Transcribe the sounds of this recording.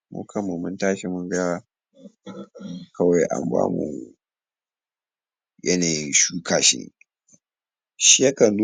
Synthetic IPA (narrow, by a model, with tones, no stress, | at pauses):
mʊ̰˦kʰɐ˨mːu˨mʊ˦ntaː˦ʃe˨mʊ˦ɡɐ˦waː˦ | kʰɐ˦wa˨jʔa̰˨mba̰ː˦mṵ˨ | jɐ˦naː˨jɪ˦nʃuː˦kʰaː˨ʃḭ˦nḛ˨ | ʃi˦jɐ˦kɐ˨nlu˦